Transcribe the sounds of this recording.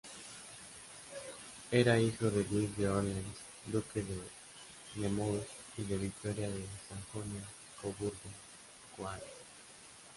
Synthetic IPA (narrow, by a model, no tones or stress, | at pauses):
eɾaixoðelwizðeolens | d̪ukeðe | nemos | iðeβik̚t̪oɾjaðesaŋxonja | koβuɾɣo | kwane